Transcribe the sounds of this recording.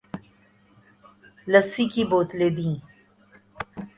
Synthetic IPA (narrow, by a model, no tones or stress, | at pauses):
ləsikiboːt̪leːd̪ĩː